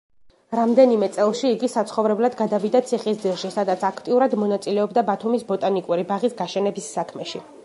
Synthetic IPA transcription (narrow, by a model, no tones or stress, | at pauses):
ɾamd̪ɛnimɛt̪sʼɛlˠʃiːɡisat̪sʰχɔvɾɛblˠad̪ɡad̪avid̪at̪sʰiχisd̪ilˠʃisad̪at̪sʰakʰt̪ʼiuɾad̪mɔnat̪sʼilɛɔbd̪abat̪ʰumisbɔt̪ʼanikʼuɾibaʁisɡaʃɛnɛbisːakʰmɛʃi